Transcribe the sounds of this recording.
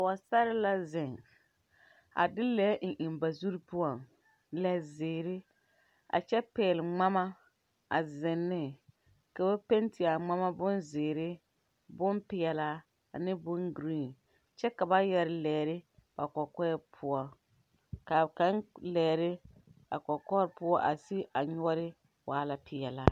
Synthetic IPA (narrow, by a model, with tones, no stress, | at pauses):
a˨wa˨sa˦ɾɪ˦la˦zɪ˨ŋ | a̰˨dɪ˦lɛː˨˦ŋ̩˨ʔɪ˨mba˨zu˦ɾi˦pʊ˦ɔ˨ŋ | lɛ˦˨zɪː˨ɾɪ˦ | a̰˨t͡ʃɛ˦pɛː˨lɪ˨ŋ͡ma˦ma˦ | a˨zɪ˨nːɪ˦ | ka˨ba˦pe˦ntʰɪ˨a˨ŋ͡ma˦ma˦bʊ˦nzɪː˨ɾɪ˦ | bʊ˦npɪ˨jɛ˨la˦ | a̰˨nɪ˦bʊ˦nɡɾiː˦˨n | t͡ʃɛ˦ka˨ba˦jɛ˦ɾɪ˦lɛː˨ɾɪ˦b̥a˨kɔ˨kɔ˦ɛ˦pʰʊ˦ɔ˨ | ka˨ka˨˦nlɛː˨ɾɪ˦ | a̰˨kɔ˨kɔ˦ɾpʊ˦ɔ˦ʔa˨sɪ˦a˨ɲʊ˦ɔ˦ɾɪ˦ | waː˨la˨pɪ˨jɛ˨la˨